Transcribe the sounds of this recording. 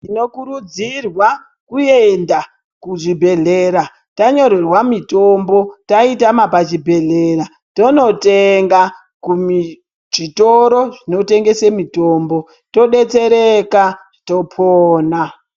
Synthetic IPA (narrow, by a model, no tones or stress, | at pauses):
ino̞kuɾud͡zirwa | kujenda | kuʐibʱe̞ɮeɾa | taɲo̞ɾe̞rwamito̞mbo̞taitamapat͡ʃibʱe̞ɮera | to̞no̞teŋɡa | kumi | ʐitoɾoʐino̞te̞ŋɡe̞semito̞ːmbo̞ | to̞ɗe̞t͡se̞ɾekaʐito̞pʰoːna